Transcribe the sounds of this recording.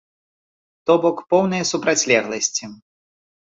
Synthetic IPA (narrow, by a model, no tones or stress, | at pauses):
t̪ɔbɔkpɔwnɨjɐsupɾat͡sʲlʲɛɣlˠɐsʲt͡sʲi